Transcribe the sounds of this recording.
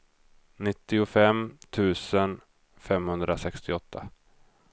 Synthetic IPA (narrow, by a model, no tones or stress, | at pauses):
nɪt̪ːɪʊfɛmt̪ʰʉ̟ːsən | fɛmhɵnd̪ɾasɛkst̪ɪɔt̪ʰːa̰